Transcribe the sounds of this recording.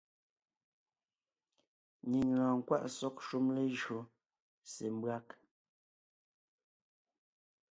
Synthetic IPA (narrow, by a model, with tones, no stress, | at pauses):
ni˨ŋlãː˨ŋ˨kwa̰˦ʔsɔ˦k̚ʃu˦mle˦ʒɰo˨ | se˨m˦bɰa˦k